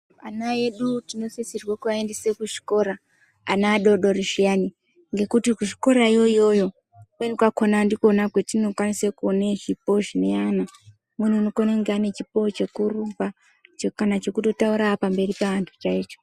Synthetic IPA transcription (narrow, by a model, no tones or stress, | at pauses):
anae̞ɗutino̞sisirwakuaendesekuʒi̥ko̞ɾaː | naːɗo̞ɗo̞riʃiani | ŋɡe̞kutikuʒiko̞ɾaijo̞ijo̞jo̞ | kwenikwako̞nandiko̞nakwetinokwanisekuoneʒipo̞ʒine̞ana | mun̤uunokoneŋɡeane̞t͡ʃipo̞t͡ʃe̞kurupa | t͡ʃekanat͡ʃe̞kuto̞tauɾapambe̞ripeʋantʰu̥t͡ʃaiːt͡ʃo̥